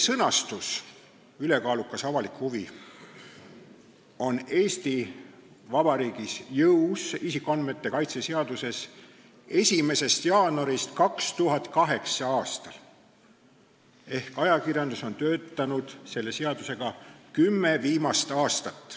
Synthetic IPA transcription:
sɤnɑst̪us | yle̞kɑːlukːˑɑsɑvɑlikhuvi | o̞ne̞ːst̪i | vɑbɑɾiːɡ̥isjɤwsisikˑːonme̞t̪ːe̞kɑjt̪se̞seɑd̪use̞s | e̞sʲime̞se̞st̪jɑːnoɾist̪kɑkst̪uɦɑt̪ˑkɑɦe̞ksɑɑːst̪ɑl | e̞hkɑjɑkirjɑnd̪̥uso̞nt̪ø̞ːt̪ːɑnud̪̥se̞lːe̞seɑd̪use̞ɡ̥ɑkymːe̞viːmɑst̪ɑːst̪ɑt̪ːˑ

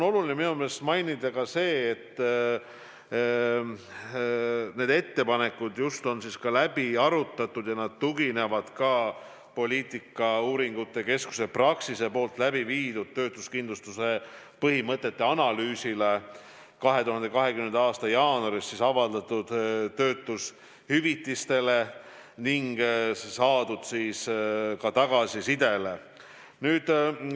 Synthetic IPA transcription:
onolulineminumeːlest̪mɑjnid̪̥ɑkɑse̞ːt̪ː | ne̞ːd̪e̞t̪ːe̞pɑne̞kːˑud̪just̪o̞nsiskɑlæbiɑɾut̪ːˑɑt̪ːˑud̪̥jɑnɑd̪̥̚t̪uɡine̞vɑd̪̥kɑ | po̞liːt̪ˑikːˑɑuːɾiŋɡ̥ut̪ːˑeɑke̞sku̥se̞prɑksise̞po̞ːlt̪ˑlæbiviːd̪̥ud̪̥̚t̪ø̞ːt̪ˑuskind̪lust̪use̞ | pɤɦimɤt̪ˑːe̞t̪ːe̞ɑnɑlyːsile | kɑɦe̞t̪uɦɑnd̪e̞kɑɦe̞kyme̞nd̪ɑɑːst̪ɑjɑːnuoɑɾisːisɑvɑld̪̥ɑt̪ːud̪t̪ø̞ːt̪ːˑus | hyvit̪ːˑist̪e̞le | niŋɡ̥sɑːd̪̥ud̪̥siːskɑt̪ɑɡ̥ɑsisid̪e̞le̞ | nyːd̪̥

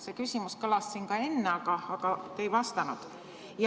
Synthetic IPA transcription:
sekysʲimuskɤlɑssiŋkɑe̞nːeɑkɑɑkɑt̪ejvɑst̪ɑnud̪̥ | j

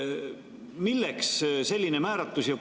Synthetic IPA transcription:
milːeksse̞lʲːinemæːɾɑt̪ːˑusjɑ

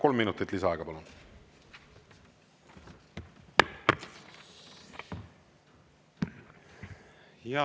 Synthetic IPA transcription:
ko̞lmːinut̪ːˑit̪lisɑɑɡɑpɑlun | jɑ

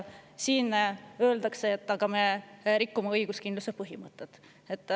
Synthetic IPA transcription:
siːnø̞ːld̪ɑkseːt̪ːˑɑɡ̥ɑme̞ɾikːumeɤjɡ̥uskind̪lusepɤɦimɤt̪ːˑet̪ | et̪ːˑ

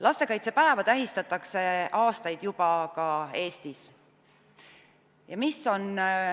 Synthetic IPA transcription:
lɑst̪e̞kɑjt̪sepæevɑt̪æɦist̪ɑt̪ːˑɑkse̞ɑːst̪ɑjd̪̥jub̥ɑkɑe̞ːst̪is | jɑmisːo̞n

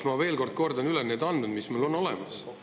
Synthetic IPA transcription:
mɑve̞ːlko̞rd̪̥̚ko̞rd̪̥ɑnylened̪ɑnːud̪mismulo̞nːo̞lɛ̰mɑs

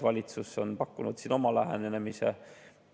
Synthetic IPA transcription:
vɑlʲit̪susːo̞npɑkːunud̪̥sino̞mɑlæɦenenemise

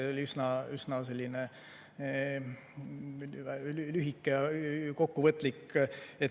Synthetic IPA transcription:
eolʲiysnɑysnɑse̞lʲːine | lyɦikːˑejɑko̞kːuvɤt̪ːˑlike

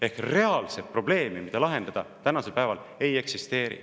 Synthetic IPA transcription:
e̞hkre̞ɑlset̪̚pro̞b̥le̞ːmimid̪̥ɑlɑɦe̞nd̪ɑd̪̥ɑt̪ænɑse̞lpæevɑl | e̞je̞ksist̪e̞ːɾḭ

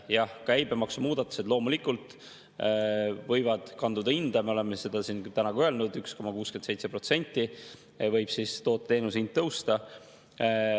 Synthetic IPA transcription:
jɑhkæjbemɑksumuːd̪̥ɑt̪ːˑu̥se̞d̪̥lo̞ːmulikːˑult̪ˑ | vɤjvɑd̪̥kɑnd̪ud̪̥ɑind̪̥ɑmeo̞le̞mese̞d̪̥ɑsint̪ænɑɡuølnud̪yksko̞mɑkuːskent̪se̞jt̪se̞pro̞t̪se̞nʲt̪ːˑi | vɤjb̥sist̪o̞ːt̪ːe̞ːnusind̪̚t̪ːɤwst̪ɑ

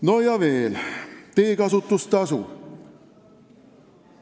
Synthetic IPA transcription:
nojɑveːlt̪eːkɑsut̪ːust̪ɑsṵ

